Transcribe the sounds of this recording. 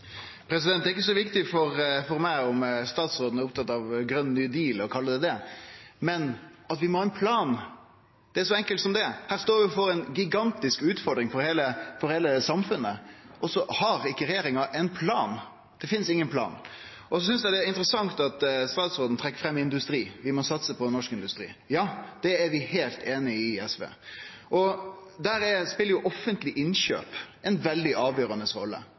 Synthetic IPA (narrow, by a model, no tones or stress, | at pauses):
pʰɾɛsɪd̪ɛnt̪æɾɪk̬ːəsɔʋɪkt̪ɪfɔɾfɔɾmæɪɔmst̪ɑːt̪sɾoːd̪ən̩æɾʊp̚t̪ʰɑt̪ːɑʋɡɾœnːnyːd̪iːlɔkʰɑlːəd̪ɛd̪ɛmɛnɑt̪ʋɪmoːɛɪnpʰlɑːn | d̪̥ɛæɾʂɔɛŋkəlt̪sɔmd̪ɛhæːɾst̪oːɾʋɪfɔɾɛnɡɪɡɑnt̪ɪskʉːt̪fɔɖd̪ɾɪŋfɔɾheːləfɔɾheːləsɑmfʉnːəʔɔsɔhɑɾɪkːəɾɛjeːɾɪŋɑʔɛnpʰlɑːn | d̪̥ɛfɪnsɪŋːənpʰlɑ̰ːn | ʔɔsɔsʏnsd̪ɛɪd̪ɛɪnt̪ɾəsɑŋt̪ɑt̪st̪ɑːt̪sɾoːd̪n̩t̪ʰɾɛkːəfɾɛmːɪɪnd̪ʉst̪ɾiːʋɪmɔsɑt̪səpʰɔnːɔʂkɪnd̪ʉst̪ɾḭːjɑːd̪̥ɛːɾʋɪheːlt̪eːnɪɪɛsʋḛː | ʔɔd̪æːɾɛspɪləɾjʊʔɔfːənt̪lɪʔɪnɕø̰ːpɛnʋɛld̪ɪʔɑːʋjøːɾɑnəsʁɔ̰lːə̰